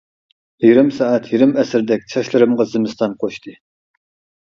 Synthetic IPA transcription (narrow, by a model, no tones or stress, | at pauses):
iɡʲɾɪmsɑɛt̪ʰjiɾɪmɛsɪɾd̪ɛk̚ʲt͡ʃʰɑʃlˠɨɾɨmʁɑzɪmɨst̪ɑnqʰoʃt̪ɨ